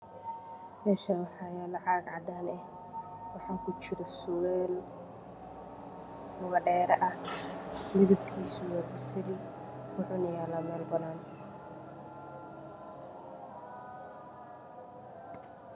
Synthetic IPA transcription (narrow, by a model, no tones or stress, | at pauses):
mɛːʃɐnwɑħɑːjɛːlɐʕɑɡʕɑd̪aːnɛh | wɑħɑːŋkʰʊt͡ʃɪɾɔsʊwɛːl | ʊɣɐɖɛːɾɐʔɐh | mɪðɐb̚kʰiːsʊwɛrbɪsɐði | wʊħuːnɐjaːlɐːmɛːlbɐðaːn